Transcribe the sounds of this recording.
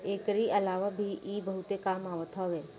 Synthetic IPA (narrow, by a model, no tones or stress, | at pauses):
ekɾiʔəlaʋabʱiʔːbəɦut̪ekamaʋət̪ɦɔʋe